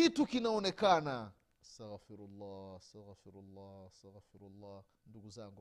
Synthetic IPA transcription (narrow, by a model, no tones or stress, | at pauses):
itukinãunekaːna | saɣfiɾulːaːstaɣfiɾulˤːaːsaɣfiɾulːaː | nduɡuzaŋɡ